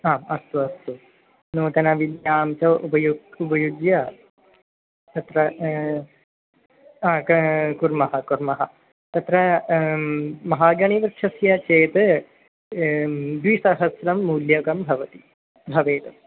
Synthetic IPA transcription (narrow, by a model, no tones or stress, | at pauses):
aːmɐst̪uɐst̪u | nuːt̪ɐnɐʋid̪jaːmt͡ʃɐʋupɐjuupɐjuɡjɐ | t̪ɐt̪ɾɐ | aːkkuɾmɐɦɐkuɾmɐɦɐ | t̪ɐt̪ɾɐ | mɐɦaːɡɐɳiʋɾtʃʰɐsjɐt͡ʃeːt̪ɨ | d̪ʋisɐɦɐsɾɐmːuːljɐkɐmbʱɐʋɐt̪i̥ | bʱɐʋeːt̪ɐ